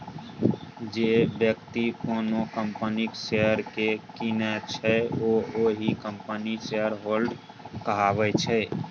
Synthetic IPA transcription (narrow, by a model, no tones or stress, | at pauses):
d͡ʒebjək̚t̪ikoːnokəmpəniksejəɾkekinɛt͡ʃʰɛooɦikəmpəniseəɾɦolɖ | kəɦabɛt͡ʃʰɛ